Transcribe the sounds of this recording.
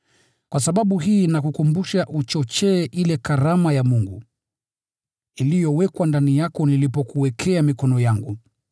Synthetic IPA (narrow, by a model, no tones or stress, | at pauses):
kwasaɓaɓuɦiːnakukumbuʃaʔut͡ʃɔt͡ʃɛːʔilɛkaɾamajamuŋɡu | ilijɔwɛkwandanijakɔnilipɔkuwɛkʰɛamikɔnɔjaŋɡṵ